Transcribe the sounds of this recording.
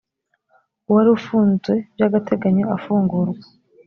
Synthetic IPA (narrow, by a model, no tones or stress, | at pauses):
uwaɾufuːnzwe̞bjaɡatʰe̞ɡaɲo̞afuːŋɡuɾɡwḁ